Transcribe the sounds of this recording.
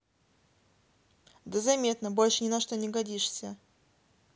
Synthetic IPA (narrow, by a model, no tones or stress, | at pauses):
d̪əzɐmʲe̞t̪nəbo̞lʲʂɨnʲɪnɐʂt̪o̞nʲɪɡɐdʲiʂsʲə